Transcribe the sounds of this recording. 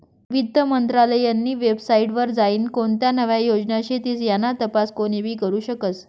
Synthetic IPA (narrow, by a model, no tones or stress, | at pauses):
ʋid̪ːəmənt̪ɾaləjanːiːʋebsaiʈʋəɾd͡zaiːnkoɳt̪janəʋjajod͡znjaɕit̪iːt͡sjanːat̪əpaskoɽ̃ibʱiːkəɾuːɕəkət͡s